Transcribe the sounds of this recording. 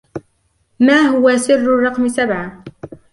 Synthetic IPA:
maːɦʊwasɪrːʊrˤːɑqmɪsabʕa

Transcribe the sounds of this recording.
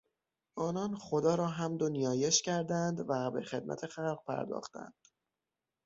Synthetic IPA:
ɒːnɒːnχo̞d̪ɒːɾɒːɦæmd̪onijɒːje̞ʃcʰæɾd̪ænd̪væbe̞̰xe̞d̪̚mʔæ̰t̪ʰe̞xælɢ̚pʰæ̰ɾd̪ɒ̰ːxt̪æ̰nd̪̥

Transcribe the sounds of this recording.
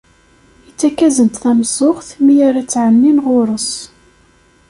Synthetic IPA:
it͡sːækːæzənt̪θæmsˤʊχθmijaɾat͡sːʕənːinʁʊɾˤəs

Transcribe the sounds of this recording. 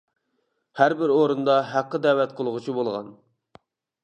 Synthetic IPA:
hæɾbɪɾoɾund̪ɑɦæqːəd̪ɛwɛt̪̚qʰolˠʊʁʊt͡ʃʰibolˠʁɑ̰n

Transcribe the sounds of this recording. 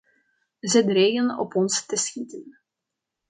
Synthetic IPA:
zədreːɣənɔ̰pɔnstəsxitən

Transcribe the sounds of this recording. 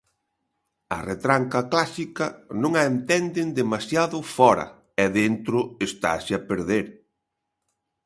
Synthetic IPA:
ɐ̰ret̪ɾaŋkɐklasikɐnõŋaent̪ɛnd̪ɪnd̪emasjaðʊfɔɾɐ̰ | ɛðent̪ɾʊest̪a̰sɪɐpeɾðeɾ

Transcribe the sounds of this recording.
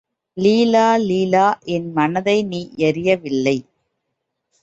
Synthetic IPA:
liːlaːliːlaːʔɛnmɐnɐðɐɪniːʔɛɾɪjɐʋɪlːɐɪ

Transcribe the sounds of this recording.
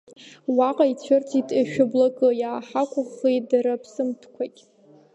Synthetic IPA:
waqʼait͡ɕʷʰʊrtʰitʰʼaʃᶣʊblakʼɨjaːħakʷʰʼʊχejdaɾapʰsɨmtʰkʷʰakʲʼ

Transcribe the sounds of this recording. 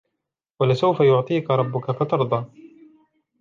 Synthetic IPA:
walɪsawfajʊʕt̪ˤiːkaɾˤɑbːʊkafat̪ɑɾˤd̪ˤɑː

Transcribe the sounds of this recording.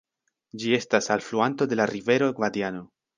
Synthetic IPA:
d͡ʒie̞stasalfluanto̞d̪e̞laɾive̞ɾo̞ɡvad̪iano̞

